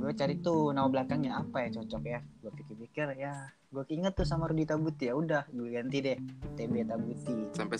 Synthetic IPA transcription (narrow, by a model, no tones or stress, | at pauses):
ɡuat͡ʃaɾit̪unaablakaŋjaapajat͡ʃɔt͡ʃɔkjaɡuapikɪrpikɪrja | ɡuakiŋət̪ːus̬amaɾudit̪abut̪ijaudahɡuaɡant̪idɛt̪ebet̪abut̪isampɛ